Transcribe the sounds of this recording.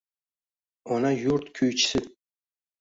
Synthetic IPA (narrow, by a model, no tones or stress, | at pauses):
ɔnɑjuɾt̪kʲʰøjt͡ʃʰɪ̥sɪ